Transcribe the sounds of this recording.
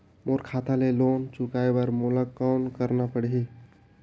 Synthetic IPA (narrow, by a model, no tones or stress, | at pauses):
moɾkʰaːt̪ʰaleloːnt͡ʃʊkaːebəɾmoləkːɔːnkəɾnapəɽi